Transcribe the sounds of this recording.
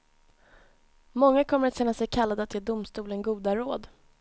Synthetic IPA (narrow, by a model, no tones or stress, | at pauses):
mɔŋːakʰɔmːəɾat̪ɕɛnːasɛjkʰalːad̪əat̪jeːd̪ʊmst̪uːlənɡuːd̪aɾoːd̪